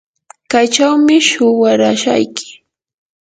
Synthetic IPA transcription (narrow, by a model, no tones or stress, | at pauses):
kajt͡ʃawmɪʃʊwaɾaʃa̰jkɪ̥